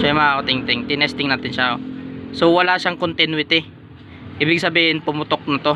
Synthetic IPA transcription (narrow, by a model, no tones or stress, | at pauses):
ajmɐʔaʔot̪ɪŋt̪ɪŋt̪ɪnɛst̪ɪŋnaːt̪ɪnʃaosowɐlaʃaŋkont̪ɪnwɪt̪ɪ | ʔiːbɪɡ̚sɐbiːhɪnpʊmʊt̪ok̚nɐt̪o̞